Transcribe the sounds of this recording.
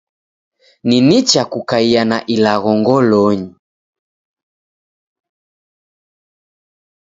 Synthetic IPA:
ninit͡ʃakukaianaʔilaɣɔŋɡɔlɔɲi

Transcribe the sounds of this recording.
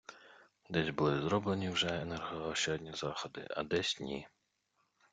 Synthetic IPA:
d̪ɛsʲbʊlˠɪzɾɔblˠenʲiwʒɛɛnɛrɦɔɔʃt͡ʃɦɔdʲnʲizɑxɔd̪ɪ̰ʔɐ̰d̪ɛsʲnʲḭ

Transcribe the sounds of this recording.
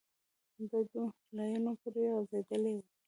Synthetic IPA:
d̪əd̪u | lajunopuɾeɑzed̪əle

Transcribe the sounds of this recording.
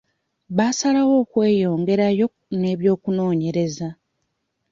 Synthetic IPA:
βasalawo̞ːkwe̞ːjo̞ːŋɡe̞ɾajo̞ | ne̞ːβjo̞ːkuno̞ːɲe̞ɾe̞za

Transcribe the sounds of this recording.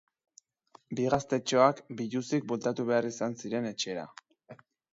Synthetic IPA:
biɣast̪e̞t͡ʃo̞akbiʎusik̚bo̞lt̪at̪uβe̞arisansiɾe̞ne̞t͡ʃe̞ːɾa̰

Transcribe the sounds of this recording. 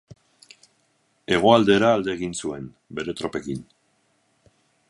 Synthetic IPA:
e̞ɣ̞o̞ald̪e̞ɾaːld̪e̞ːɣinsue̞n | be̞ɾe̞t̪ɾo̞pe̞kin

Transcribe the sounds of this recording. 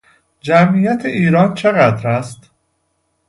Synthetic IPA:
d͡ʒæmijæt̪ʰeʔiːɾɒːnt͡ʃʰe̞ɣæd̪ɾæst̪

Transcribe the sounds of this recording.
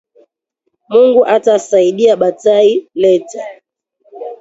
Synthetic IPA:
muŋɡuʔatasaiɗiaɓatailɛta

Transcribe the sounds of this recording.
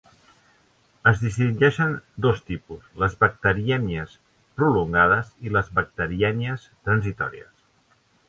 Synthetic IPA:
əzðist̪iŋd͡ʒɛʃənd̪ost̪ipusləzβək̚t̪əɾiɛniəs | pɾuluŋɡað̞əziləzβək̚t̪əɾiɛniəst̪ɾənzit̪ɔ̰ɾḭə̰s

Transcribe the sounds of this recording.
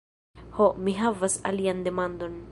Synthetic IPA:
hɔʔmiɦavɐsa̰lijand̪ɛmand̪ɔn

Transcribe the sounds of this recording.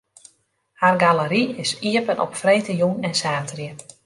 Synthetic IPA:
harɡaləɾiɪsiəpənʔɔ̰pfrejtəjunɛnsaːtrjə

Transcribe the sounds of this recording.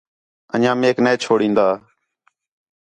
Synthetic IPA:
ə̰nãːmeːkneːt͡ʃʰoːɽĩːnd̪aː

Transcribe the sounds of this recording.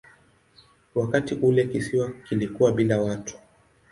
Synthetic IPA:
wakatiʔulɛkisiwakilikuwaɓilawatʰu̥

